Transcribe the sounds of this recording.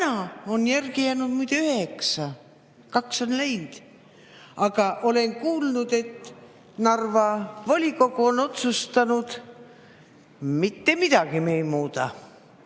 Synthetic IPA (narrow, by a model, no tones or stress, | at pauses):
nɑonjærɡijæːnud̪̥mujd̪eyhe̞ksɑ | kɑkso̞nlejnd̪̥ | ɑɡ̥ɑʔo̞le̞nkuːlnud̪̥e̞t̪ː | nɑrvɑvolʲiko̞ɡuono̞t̪sust̪ɑnud̪̥ | mit̪ːe̞mid̪̥ɑɡ̥imejmuːt̪ɑ̰